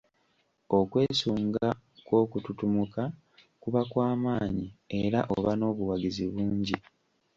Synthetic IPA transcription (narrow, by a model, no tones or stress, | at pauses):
o̞kwe̞ːsuːŋɡa | kwo̞ːkututumuka | kuβakwaːmaːɲie̞ɾa̰ʔoβano̞ːβuwaɡiziβuːɲɟi